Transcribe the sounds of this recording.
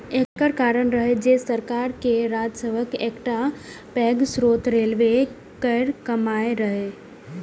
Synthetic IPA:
ekkəɾkaːɾəɳɾəɦed͡ʒeːsəɾkaːɾkeɾaːd͡ʒsebəkeːkʈa | pɛːɡsɾoːt̪ɾeːlʋe | kəɪɾkɐmaːeɾɐɦe

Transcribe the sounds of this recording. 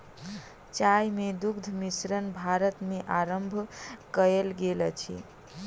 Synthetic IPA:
t͡ʃajmed̪uɡd̪ʱmisɾənbʱaɾət̪meʔaɾəmbʱkəelɡelət͡ʃʰḭ

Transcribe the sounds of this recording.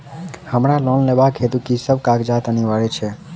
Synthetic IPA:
həmɽalɔnleʋakʰet̪ukisəbkaɡd͡ʒat̪əniʋaɭet͡ʃʰe

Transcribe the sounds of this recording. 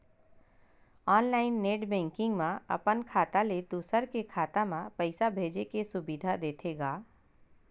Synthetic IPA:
ɔːnlaːɪnːeːʈbɛ̃ːŋkɪ̃ŋɡmãɐ̰pənkʰaːt̪aled̪uːsəɾkekʰaːt̪amãpəɪsabʱeːd͡ʒekesʊbid̪ʱad̪eːt̪ʰeːɡaː

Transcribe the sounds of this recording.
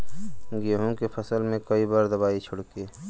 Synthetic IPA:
ɡeɦũkepʰəsəlmẽkɐibaːɾd̪ɐbaːit͡ʃʰʊɽke

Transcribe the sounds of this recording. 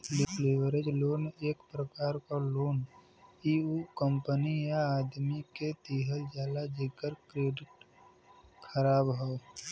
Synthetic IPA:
lɪpleːʋəɾed͡ʒloːneːkpɾəkaːɾkaloːn | iukəmpənijaaːd̪miket̪iːɦəld͡ʒaːlad͡ʒekəɾkɾeːɖɪʈ | kʰəɾaːbɦo

